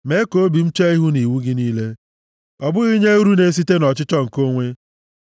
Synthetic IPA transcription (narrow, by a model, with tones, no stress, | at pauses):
me˦ko˦o˦bi˨m̩˦t͡ʃe˦i˦ɦu˦ni˨wu˦ɡɪ˦niː˦le˦ | ɔ˨bʊ˦ɣi˦ɲe˦u˦ɾu˦ne˨˦s̬i˦te˦nɔ˨t͡ʃɪ˦t͡ʃɔ˦ŋ̩˨ko˦ŋʷe˦